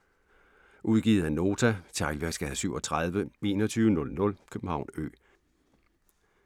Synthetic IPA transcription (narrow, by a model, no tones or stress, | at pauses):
ʔuð̞ˠɡ̥iːð̩ˠæno̝ːt͡sʰæt͡sʰɑ̈ɪlʋæɐɡ̥sɡ̥æðˠsyʊɒ̽t͡sʰʁað̞ˠʋəe̝ːnɒ̽t͡sʰyːʋənɔ̽lnɔ̽lkʰøb̥m̩hɑ̈ʊ̰nø̰ː